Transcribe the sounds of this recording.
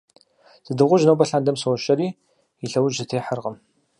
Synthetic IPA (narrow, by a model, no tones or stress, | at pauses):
z̥ɨdɨʁʷʊʒnɐwbɐɬaːndɐmsɐwɔʃɐɾiː | iɬɐwʊʒɨtʰeːħərʁəm